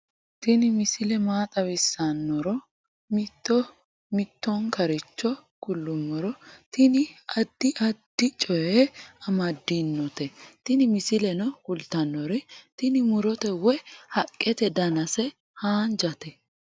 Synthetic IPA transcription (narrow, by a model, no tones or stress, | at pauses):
t̪ɪnɪmɪsɪlɛmaːt̪ʼɐwɪsːanːɔɾɔ | mɪt̪ːɔ | mɪt̪ːɔŋkɐɾɪt͡ʃːɔkʊlːʊmːɔɾɔt̪ɪnɪɐd̪ːɪʔɐd̪ːɪt͡ʃʼɔjɛɐmɐd̪ːinːɔt̪ɛt̪ɪnɪmɪsɪlɛnɔkʊlt̪ɐnːɔɾɛt̪ɪnɪmʊɾɔt̪ɛwɛhɐkʼːɛt̪ɛd̪ɐnɐsɛ | haːnd͡ʒɐt̪ɛ